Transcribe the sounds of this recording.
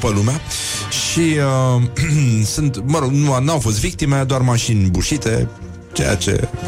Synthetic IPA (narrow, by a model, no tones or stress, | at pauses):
pəlumea | ʃiə | sɨnt̪məɾoɡnuanawfo̞s̬t̪vik̚t̪imed̪oarmaʃinʲbuʃit̪e̞ | t͡ʃe̞̰ja̰t͡ʃe̞̰